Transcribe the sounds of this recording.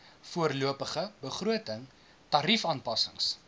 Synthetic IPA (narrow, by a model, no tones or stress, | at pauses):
fuərluəpəχəbəχruətəŋ | tɐɾifɑːnpɐsəŋs